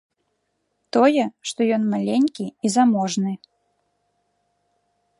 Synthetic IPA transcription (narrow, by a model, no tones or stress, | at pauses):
t̪ɔjɛʂt̪ɔjɔnmalʲenʲkʲiizamɔʐnɨ